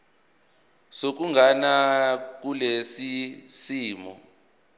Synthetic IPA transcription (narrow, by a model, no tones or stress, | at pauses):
sok̬uŋʱanak̬ulesisiːmɔ̰